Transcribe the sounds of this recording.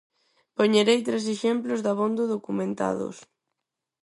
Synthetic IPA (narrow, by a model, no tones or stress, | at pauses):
poɲeɾejt̪ɾes̬eʃemplʊzðaβond̪oðokumẽnt̪a̰ðʊ̰s